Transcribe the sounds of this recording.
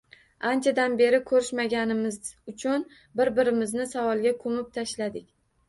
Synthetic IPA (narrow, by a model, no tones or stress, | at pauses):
ant͡ʃʰad̪anbe̞ɾɪkʰɵɾɪʃmaɡʲanɪmɪzʊt͡ʃʰʊn | bɪɾbɪɾɪmɪznɪsavɒlˠɡʲakʰɵmɪp̚t̪ʰaʃlad̪ɪkʲ